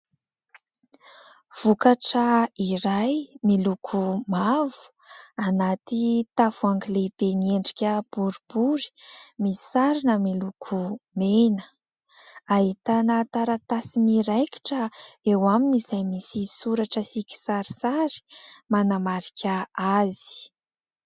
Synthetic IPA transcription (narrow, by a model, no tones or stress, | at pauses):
v̥ukaʈ͡ʂəiɾajmilukʰumavu̥ | anat̪it̪avuaŋɡileb̥emieɳɖ͡ʐikʲəb̥uɾib̥uɾi̥misaɾinəmilukʰumenə̥ | aɦit̪anət̪aɾat̪asimiɾajki̥ʈ͡ʂəewaminizajmisisuɾaʈ͡ʂəsikʲi̥saɾi̥saɾi̥manamaɾikʲʰəazi̥